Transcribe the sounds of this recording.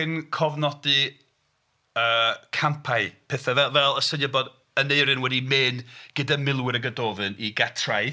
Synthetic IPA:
ɪnkʰɔvnɔdɨ | əːkʰampʰaɨpʰɛθavɛvɛlˠəsənjəbɔd | əneɨɾɨnwɛdimɨnɡ̥ədamɪlˠwɪɾəɡədoːvɨniɡatʰraj

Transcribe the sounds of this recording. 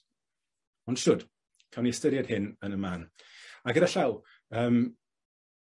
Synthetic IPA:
ɔnd̥ʃʊd̥ | kʰawniɛstəɾjad̥hɪnənəmaːnaɡəɾaɬaw | əːm

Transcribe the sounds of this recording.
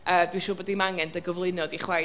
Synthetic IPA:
əːdwiʃʊːbədimaŋɛndəɡəvlˠɪnɔdiχwɛ

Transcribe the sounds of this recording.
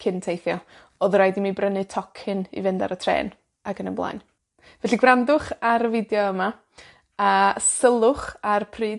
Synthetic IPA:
kʰɪntʰejθjɔ | ɔðrajdimibrənɨtʰɔkʰɪnḭvɪnda̰ɾətʰrḛːn | akənəblˠa̰jn | vɛɬiɡrandʊχaɾəvɪdjɔəma | asəlˠʊχarpʰriːd

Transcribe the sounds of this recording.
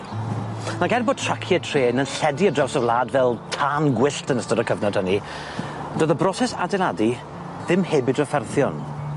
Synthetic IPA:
naɡɛnboːd̚tʰr̥akʰjɛtʰreːnənɬɛdiədrɛwsɔvlˠaːdvɛlˠtʰaːnɡwɪɬtʰənəstɔɾɔkʰəvnɔd̥həni | d̥oːðəbrɔsɛsa̰dɛlˠadi | ðɪmhɛːbɨdɔfɛrθjɔn

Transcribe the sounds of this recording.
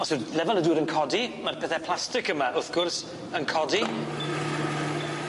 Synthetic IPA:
ɔsɪlɛvalˠəduːɾənkʰɔdimarpʰɛːθɛpʰl̥ˠastɪkəmaʔʊθɡ̥ʊrs | ənkʰɔdi

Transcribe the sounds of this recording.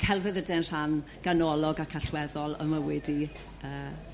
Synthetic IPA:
kʰɛlˠvɛðədɛnr̥anɡ̥anɔlˠɔɡakʰaɬwɛðɔlˠə̰məwɛdi | əː

